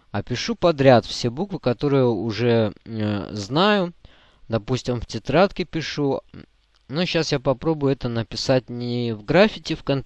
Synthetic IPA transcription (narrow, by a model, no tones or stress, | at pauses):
ɐpʲɪʂupɐd̪ɾʲat̪fsʲebukvɨkɐt̪o̞ɾɨjəʊʐɛ | znajʊ | d̪ɐpusʲtʲɪmftʲɪt̪ɾat̪kʲɪpʲɪʂu | noɕːasjapɐpɾo̞bʊjʊɛt̪ənəpʲɪsat̚ʲnʲɪvɡɾafʲɪtʲɪfkɐn